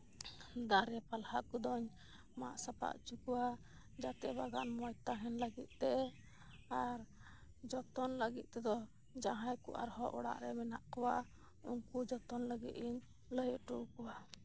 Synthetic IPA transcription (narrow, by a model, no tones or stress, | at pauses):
d̪aɾɛpalhakud̪ɔɲ | ma̰ʔsapa̰ʔt͡ʃukɔwa | d͡ʒat̪ɛbaɡanmɔjt̪aɦɛnləɡit̪̚ˀt̪ɛ | aɾ | d͡ʒɔt̪ɔnləɡit̪̚ˀt̪ɛd̪ɔ | d͡ʒaɦãjkṵʔa̰ɾhɔʔɔ̰ɽa̰ʔɾɛmɛnaʔkɔwa | uŋkud͡ʒɔt̪ɔnləɡḭt̪iɲ | ləjɔʔʈukɔwa